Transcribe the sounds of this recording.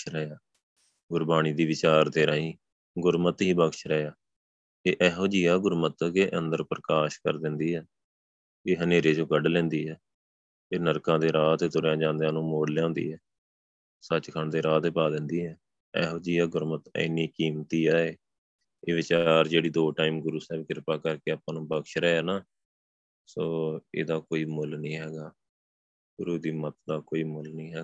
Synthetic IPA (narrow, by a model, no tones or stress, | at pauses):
ɾəaː | ɡʊɾbaːɽ̃iːd̪iːʋɪt͡ʃaːɾd̪eːɾaːĩː | ɡʊɾmət̪ɦiːbəkʃɾɛːjaː | eːʔɛːɦoːd͡ʒiːaːɡʊɾmət̪keːʔə̃nd̪əɾpɾəkaːʃkə̰ɾd̪ɪnd̪iːɛː | eːɦəneːɾeːd͡ʒõːɡəɖlɛ̃ːnd̪iːɦɛː | eːnəɾkãːd̪eːɾaːt̪eːt̪ʊɾjãːd͡ʒãːnd̪ejãːnũːmoːɽljãːnd̪ḭːɛː | sət͡ʃkʰəɳd̪eːɾaːt̪eːpaːd̪ɪ̃nd̪iːɦɛː | ɛ̰ːɦoːd͡ʒiːaːɡʊɾmət̪ə̰ɪnːiːkiːmt̪iːaːeː | eːʋɪt͡ʃaːɾd͡ʒeːɽiːd̪oːʈaːiːmɡʊɾuːsɛːbkɪɾpaːkəɾkeːaːpːãːnũːbəkʃɾɛːaːnaː | soːḛːd̪aːkoːiːmʊlnĩːɦɛːɡaː | ɡʊɾuːd̪iːmət̪̚d̪aːkoːiːmʊlnĩːɦɛː